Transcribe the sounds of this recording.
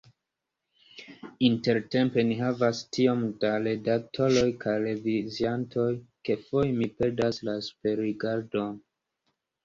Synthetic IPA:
inte̞ɾte̞mpe̞niɦavastio̞mdaɾe̞dak̚tʰo̞ɾo̞jkʰajɾe̞viziantʰo̞jke̞fo̞jmipe̞ɾdaslasu̥pe̞ɾiɡaɾdon

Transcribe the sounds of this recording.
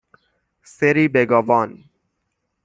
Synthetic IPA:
seɾiːbeɡɔːʋɔːn

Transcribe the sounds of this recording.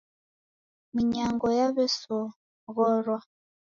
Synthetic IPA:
miɲaŋɡɔjaβɛsɔ | ɣɔɾwɔ

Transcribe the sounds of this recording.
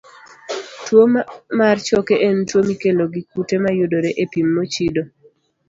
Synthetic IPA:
twomart͡ʃɔkeʔentwomikeloɡik̚utemajʊdoɾeʔepimːot͡ʃido

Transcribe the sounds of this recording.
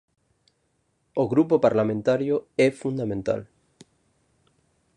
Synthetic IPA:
oɣɾupopaɾlamẽnt̪aɾjoefund̪amẽnt̪a̰l

